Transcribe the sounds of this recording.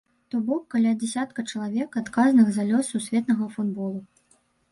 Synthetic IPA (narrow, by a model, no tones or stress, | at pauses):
t̪ɔbɔkːalʲad͡zʲasʲat̪kɐt͡ʂɐlˠavʲɛkat̪kaznɨɣzalʲɔsːusʲvʲɛt̪nɐɣɐfud̪bɔlˠu